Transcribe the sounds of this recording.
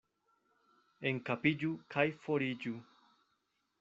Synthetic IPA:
eŋkapid͡ʒukʰajfoɾid͡ʒu

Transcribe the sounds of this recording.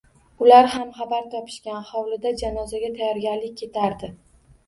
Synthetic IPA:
ʊlaɾhamχabaɾt̪ʰɒpʰɪ̥ʃkʲanhɒwlɪd̪ad͡ʒanɒzaɡʲat̪ʰajɒɾɡʲaɾlɪkʲʰːe̞t̪ʰaɾd̪ɪ

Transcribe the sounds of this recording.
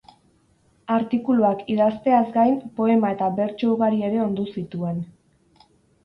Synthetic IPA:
aɾt̪ikuluakiðast̪e̞azɡajmpo̞e̞mae̞t̪aβe̞ɾt͡ʃouɣaɾie̞ɾe̞o̞nd̪usit̪ue̞n

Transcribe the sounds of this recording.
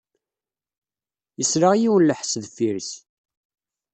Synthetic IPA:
jəsɾaʁjiwənləħsðfiɾs

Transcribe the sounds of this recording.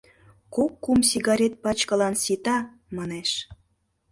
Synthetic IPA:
kokːumsiɣɑɾʲet̪̚pɑt͡ɕkɤ̆lɑnsit̪ɑ | mɑneʃ

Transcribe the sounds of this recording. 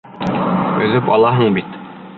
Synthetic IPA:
ɵ̆ðɘpɒ̰lˠɑɦɤɴbit̪

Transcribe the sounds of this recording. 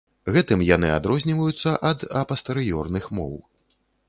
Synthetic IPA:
ɣɛt̪ɨmjanɨa̰d̪ɾɔzʲnʲivɐjut̪sːɐʔɐd̪ɐpɐst̪ɛɾɨjɔrnɨxmɔ̰w

